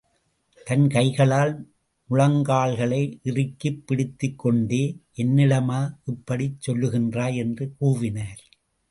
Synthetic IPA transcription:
t̪ɐnkɐɪɣɐɭaːl | mʊɻɐŋɡaːɭɣɐɭɐɪʔɪrɪkːɯpːɪɽɪt̪ːɯkːɔɳɖeːʔɛnːɪlɐmaːʔɪpːɐɽit͡ʃːɔlːɯɣɪndraːɛndrɯkuːʋɪnɐːɾ

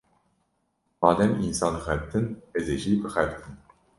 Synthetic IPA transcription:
mɑːd̪ɛminsɑːnxɛbt̪ʰɨnɛzeʒibɨxɛbt̪ʰɨn

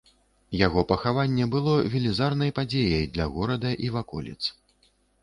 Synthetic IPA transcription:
jaɣɔpɐxavanʲːɛbɨlˠɔvʲilʲizarn̪ɐjpad͡zʲejɐjd̪lʲɐɣɔɾɐd̪ɐʔivakɔ̰lʲɛ̰t̪s

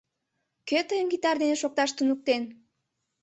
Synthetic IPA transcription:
køt̪əjəmɡit̪ɑrd̪eneʃok̚t̪ɑʃt̪unuk̚t̪en

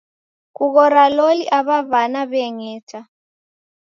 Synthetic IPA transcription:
kuɣ̬ɔɾaloliʔaβavanaβɛŋɛːtʰa

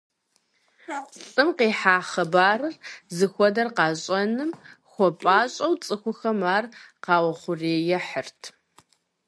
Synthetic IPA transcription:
t͡sʼɨmqeːħaːχɐbaːrɨrzɨxʷɔdɐrqɑːɕʼɐnɨmxʷɔpʼaːɕʼɐwt͡sʼɨxʷʊxɐmaːrqɑːwɐχʷʊreːjɛħərtʰ

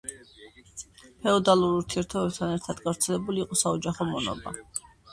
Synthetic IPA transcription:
pʰɛɔd̪alˠuɾuɾt̪ʰiɛɾt̪ʰɔbɛb̚t̪ʰanɛɾt̪ʰad̪ɡavɾt̪sʰɛlɛbuliːqʼɔsaɔd͡ʒaχɔmɔnɔ̰ba

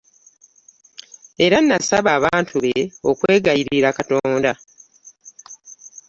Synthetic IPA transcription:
e̞ɾanːasaβaːβaːntʰuβeokwe̞ːɡajiɾiɾakato̞ːnda

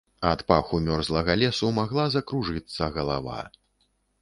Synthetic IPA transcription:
at̪paxumʲɔrzlˠɐɣɐlʲɛsumaɣlˠazɐkɾuʐɨt̪sːɐɣɐlˠa̰va̰

